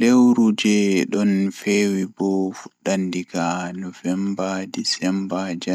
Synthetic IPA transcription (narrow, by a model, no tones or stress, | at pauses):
lewɾud͡ʒɛɗɔnfewibɔfuɗandiɡanɔfɛmbadisɛmbad͡ʒa